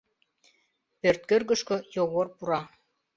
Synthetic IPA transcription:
pørt̪̚kø̆rɣə̆ʃkŏjoɣorpuɾɑ

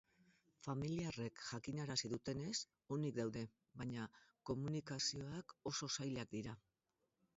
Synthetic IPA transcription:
familiare̞kʝakiɲaɾasiðut̪e̞ne̞s | o̞nikd̪awðe̞ | βaɲako̞munikasio̞ako̞so̞sajlak̚d̪iɾa

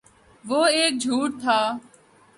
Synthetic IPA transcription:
ʋoːeːk̚d͡ʒʱuːʈ̚t̪ʰaː

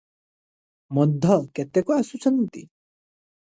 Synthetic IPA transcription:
mɔd̪ʱɔket̪ekuasut͡ʃʰɔnt̪i

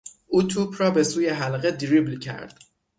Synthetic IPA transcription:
ʔuːt̪ʰuːpʰrɒːbe̞suːje̞ɦælɢed̪ɾiblcʰæ̰ɾd̪̥

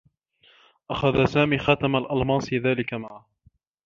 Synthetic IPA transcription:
ʔaxaðasaːmiːxaːt̪amalʔalmɑːsˤiðaːlɪkamaʕa

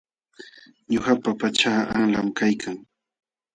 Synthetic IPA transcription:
ɲohapapat͡ʃaːaŋlamkajkʰaŋ

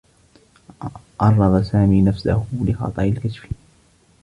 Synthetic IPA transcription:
ʔɑrˤːɑðˤɑsaːmiːnafsa̰hʊlɪxɑ̰t̪ˤɑʔɪlkaʃfi̥

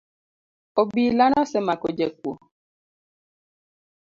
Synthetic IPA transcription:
obilanɔ̃sɛmakod͡ʒɛk̚uo

